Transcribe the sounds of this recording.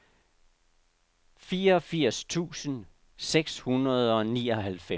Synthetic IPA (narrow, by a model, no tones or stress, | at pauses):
fiːɐɒ̽fiɐ̰st͡sʰṵːsən | seɡ̥shunɐð̞ˠɒ̽niːɒ̽ɦælfe